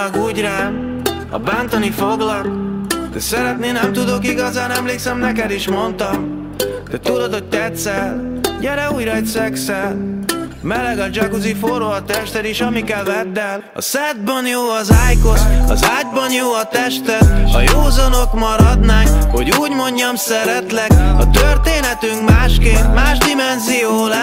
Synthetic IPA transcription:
kuːɟraː | ɒ̰baːnt̪onifoɡlɒkd̪ɛsɛɾɛt̪neːnɛmt̪ud̪o̞kiɡɒzaːnɛmleːksɛmnɛkɛd̪iʃmo̞nt̪ɒm | d̪̥ɛt̪ud̪ot̪ho̞c̚t̪ɛt̪sɛlɟɛɾɛuːjrɒjt̪sɛksɛl | mɛlɛɡɒd͡ʒɒkuzifoɾoɒt̪ɛʃt̪ɛd̪iʃɒmikɛlvɛt̪ːɛl | ɒ̰sɛd̪̚bɒnjoːɒzaːjko̞t̪ɒ̰zaːɟ̚bɒnjoːɒt̪ɛʃt̪ɛt̪ɒ̰joːzonokmɒɾɒd̪naːkho̞ɟuːɟmo̞ɲːɒmsɛɾɛt̪lɛkɒt̪ørt̪eːnɛt̪yŋkmaːʃkeːnt̪maːʒd̪imɛnzijoːlɛ

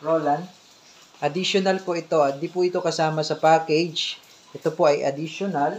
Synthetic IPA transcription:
ɹoːland̪ | ʔɐd̪iʃonɐlpoʔɪt̪o̞ʔɐd̪ipʊʔɪt̪o̞kɐsaːmɐsɐpakɛd͡ʒ | ʔɛt̪o̞po̞ʔɐjʔɐ̰d̪ɪʃonal

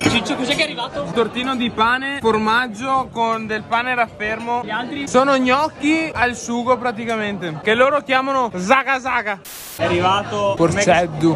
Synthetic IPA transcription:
kosit͡ʃɛkozɛkɛarːivaːt̪ot̪ort̪iːnod̪ipaːneformad͡ʒːokond̪elpaːneɾafːermoʎialt̪ɾisoːnoɲɔkːialsuːɡopɾat̪̬ikament̪ekelːoːɾokjaːmanozakazaːka | ɛarːivaːt̪ofoɾsɛd̪ːu

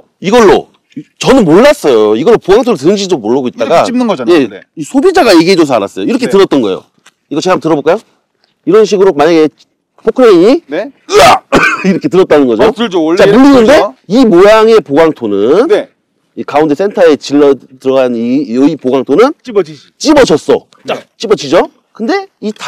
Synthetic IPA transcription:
iɡʌɭːo̰ | t͡ɕʌnɯnmoɭːas͈ʌjoiɡʌɭːopoɡaŋtʰoɾtɯɾɯnɕ̬ʰid͡ʑomːoɭːʌɡoit̚t͈aɡaje̞isʰobid͡ʑaɡajeɡeed͡ʑos̬ʰʌa̰ɾa̰s͈ʌjoiɾʌkʰetɯɾʌt̚t͈ʌnɡʌḛjo̰ | iɡʌt͡ɕeabtɯɾʌboɭkajo | iɾʌnɕʰiɡɯɾomaɲaɡe̞ | pʰokʰɯɾeiɲiaiɾʌkʰe̞t̬ɯɾʌt̚t͈anɯnɡʌd͡ʑot͡ɕamuɭːinːɯnde̞imojaŋe̞poɡaŋtʰonɯn | ikaunde̞s͈ʰe̞ntʰae̞t͡ɕiɭːʌtɯɾʌɡaniɯipoɡaŋtʰonɯn | t͡ɕ͈ibʌd͡ʑʌs͈ʌ̰ | t͡ɕat͡ɕ͈ibʌt͡ɕid͡ʑo | kɯnde̞itʰ

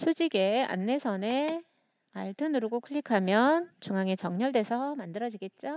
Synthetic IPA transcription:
sʰud͡ʑiɡe̞a̰nːe̞sʰʌne | aiɭtʰɯnɯɾɯɡokʰɯʎːikʰamjʌnt͡ɕuŋaŋet͡ɕʌŋɲʌɭdwe̞sʰʌmandɯɾʌd͡ʑiɡe̞t̚t͡ɕ͈o

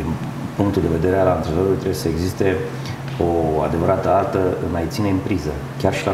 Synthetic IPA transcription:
im | puŋkt̪uld̪e̞ve̞d̪e̞ɾealaɨnt̪ɾevoɾulʲt̪ɾewjesəeɡzist̪e̞ | oa̰d̪e̞vəɾat̪əart̪əɨ̰nmajt̪sineɨmpɾizə | kʲarʃila

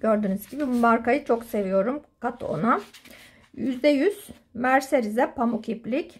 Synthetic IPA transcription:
ɟ̥øɾd̪ynyz̥ɟibimaɾkajɯt͡ʃʰo̞kse̞vijo̞ɾumkʰat̪ʰo̞̰na | jyzd̪ɛjyz̥ | mæɾseɾizɛpʰamucʰiplʲic

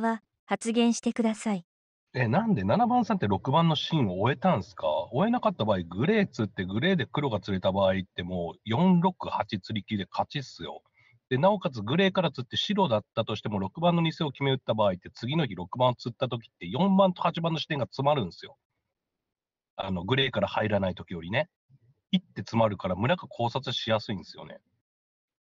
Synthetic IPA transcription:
βa | hat͡sɨɡẽ̞ɰ̃ɕi̥t̪e̞kɯ̟d̪asai | e̞nãnd̪e̞nanabãɰ̃sãnt̪ːe̞ɾo̞kɯ̟bãnːo̞ɕĩɰ̃o̞ːe̞t̪ãɰ̃sɨ̥ka̰o̞e̞nakat̪ːabaːiɡɯ̟ɾe̞ːt͡sɨt̪ːe̞ɡɯ̟ɾe̞ːd̪e̞kɯ̟ɾo̞ɡat͡sɨɾe̞t̪abaːit̪ːe̞mo̞ːjõ̞nɾo̞kɯ̟hat͡ɕit͡sɨɾʲikʲid̪e̞kʰat͡ɕisɨjo̞̰ | d̪̥e̞nao̞kat͡sɨɡɯ̟ɾe̞ːkaɾat͡sɨt̪ːe̞ɕiɾo̞d̪at̪ːat̪o̞ɕi̥t̪e̞mo̞ɾo̞kɯ̟bãnːoɲ̟ise̞o̞kʲime̞ɯ̟t̪ːabaːit̪ːe̞t͡sɨɡʲino̞çʲiɾo̞kɯ̟bãot͡sɨt̪ːat̪o̞kʲi̥t̪ːe̞jõ̞mːãnt̪o̞hat͡ɕibãnːo̞ɕi̥t̪e̞ŋɡat͡sɨmaɾɯ̟̃ñsɨjo̞̰ | ano̞ɡɯ̟ɾe̞ːkaɾahaiɾanait̪o̞kʲijo̞ɾʲine̞ | it̪ːe̞t͡sɨmaɾɯ̟kaɾamɯ̟ɾakakʰo̞ːsat͡sɨɕijasɨĩnd̪esɨjo̞̰ne̞̰

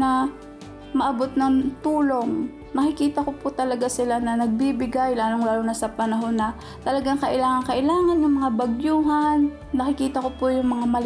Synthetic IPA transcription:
ɐ | mɐʔɐbo̞t̪̚nɐŋt̪uːlo̞ŋ | nɐkɪkiːt̪ɐkopʊt̪ɐlɐɡasɪlanɐnɐɡ̚bibɪɡajlaːloŋlaːlonasɐpɐnɐɦo̞nːɐ | t̪ɐlɐɡaŋkɐʔɪlaːŋɐŋkɐʔɪlaːŋɐnjʊŋmɐŋabɐɡjuːɦanː | ɐkɪkiːt̪ɐkopʊjʊŋmɐŋamɐl

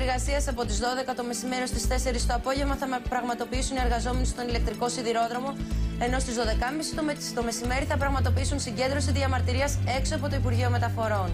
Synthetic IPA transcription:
eɾɣɐsiɐsɐpo̞t̪izðo̞ðe̞kɐt̪ome̞sime̞ɾost̪ist̪e̞se̞ɾist̪o̞ɐpo̞ʝe̞vmɐθɐpɾɐɣmɐt̪o̞piisunie̞ɾɣɐzo̞me̞nest̪o̞nile̞k̚t̪ɾiko̞siðiɾo̞ðɾo̞mo̞e̞no̞st̪izðo̞ðe̞kɐmisi̥t̪o | t̪o̞me̞sime̞ɾiθɐpɾɐɣmɐt̪o̞piisunsiɲɟe̞nd̪ɾo̞siðiɐmɐɾt̪iɾiɐse̞ksoɐpo̞t̪o̞ipuɾʝio̞me̞t̪ɐfo̞ɾo̞n

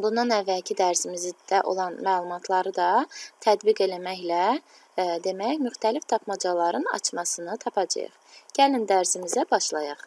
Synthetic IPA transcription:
bund̪ɑnævːælcʰid̪æɾsimizid̪̥æʔo̞̰lˠɑnmæːlˠumɑt̪ʰlˠɑɾɯd̪ɑt̪ʰæd̪biɡe̞læmæçlæ | d̪e̞mæçmyxt̪ʰælift̪ʰɑpʰmɑd͡ʒɑlˠɑɾɯnɑ̰t͡ʃʰmɑsɯnɯt̪ʰɑpʰɑd͡ʒɑ̰jɯ̰χɟ̥ælind̪æɾsimizæbɑʃlˠɑjɑχ

